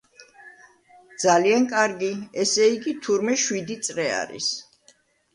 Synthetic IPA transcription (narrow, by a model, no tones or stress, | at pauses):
d̪z̥aliankʼaɾɡiɛsɛiɡit̪ʰuɾmɛʃwid̪it̪sʼɾɛa̰ɾḭs